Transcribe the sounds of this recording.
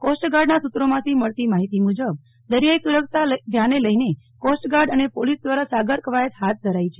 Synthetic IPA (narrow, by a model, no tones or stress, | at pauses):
kosʈɡaɾɖnasut̪ɾomãt̪ʰiməɭt̪imaɦit̪imud͡ʒəb̚ | d̪əɾijaisuləkt̪ad̪ʱjaneləine | kosʈɡaɾɖənepolisd̪ʋaɾasaɡəɾkəʋajət̪ɦat̪̚d̪ʱəɾait͡ʃʰe